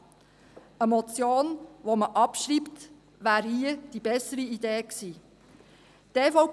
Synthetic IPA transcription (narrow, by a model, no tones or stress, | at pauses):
əmɔt͡sjoːnʋoməʔɑpʃɾiːpt̪ | ʋæːɾhiəd̥ibɛsəɾiideːksiː | tefɔ